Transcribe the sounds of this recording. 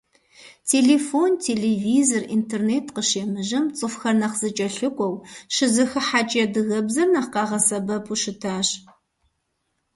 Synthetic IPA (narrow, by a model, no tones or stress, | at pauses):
tʰeːɮeːfontʰeleviːzorintʰerneːtʰqəʃeːmɨʒɐmt͡sʼɨfxɐrnɐqz̥ɨt͡ʃʼɐɬɨkʷʼɔwʃɨzɨxɨħaːt͡ʃʼɐdɨɣɐbzɐrnɐχqɑːʁɐsɐbɐpʰuʃɨtʰaːɕ